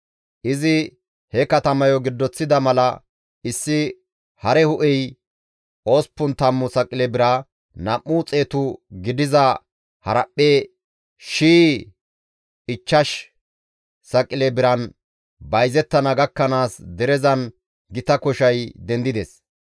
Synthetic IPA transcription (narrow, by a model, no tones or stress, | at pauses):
ʔɪzɪ | hɛkɐt̪ɐmɐjɔɡɪd̪ːɔt͡sːɪd̪ɐmɐlɐ | ɪsːɪ | hɐɾɛhʊʔɛj | ʔo̞ːspːʊnt̪ɐmːʊsɐkʼɪlebɪɾɐ | nɐʔːuːt͡sʼe̞ːt̪ʊɡɪd̪ɪzɐ | hɐɾɐpʼːeː | ʃiː | ɪt͡ʃːɐʃ | sɐkʼːɪlebɪɾɐn | bɐjzɛt̪ːɐnɐɡɐkːɐnaːsd̪ɛɾɛzɐn | ɡɪt̪ɐkɔʃɐjd̪ɛnd̪ɪd̪ɛs